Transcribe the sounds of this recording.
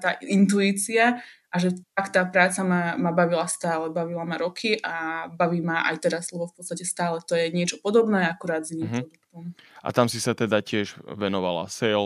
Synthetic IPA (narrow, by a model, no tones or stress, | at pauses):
t̪aːint̪̬uiːt͡siaʔaʒɛt̪akt̪aːpɾaːt͡samamabaʋilast̪aːlɛbaʋilamaɾɔkʰiʔabaʋiːmaʔa̰jt̪ɛɾazlɛbɔfpɔt̪st̪acɛst̪aːlɛt̪ɔjɛɲɪɛt͡ʃɔpɔd̪ɔbnɛːakuɾaːd̪zinimɾɔd̪ukk̪umʔa̰t̪amsisat̪ɛd̪acɪɛʒʋɛnɔʋa̰la̰sɛl